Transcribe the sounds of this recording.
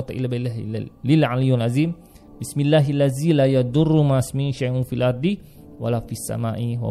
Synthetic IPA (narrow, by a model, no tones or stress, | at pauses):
t̪ˤaʔḭlːaballilʕanijunʔaziːm | bɪsmilːaːɦalːaziːlaːjad̪ʊrːumasmiːnʃajʔʊnfilʔɑɾˤd̪i | walafisːa̰maːʔiwa̰